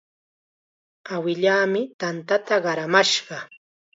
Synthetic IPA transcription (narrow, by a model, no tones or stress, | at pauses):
awɪʎaːmɪt̪ant̪at̪aɢɑɾamaʃɢɑ